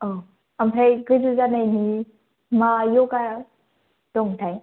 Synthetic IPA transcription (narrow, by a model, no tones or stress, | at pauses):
ɔ | ampʰajɡɯzɯzanajni | majɔka | d̥ɔŋtʰaj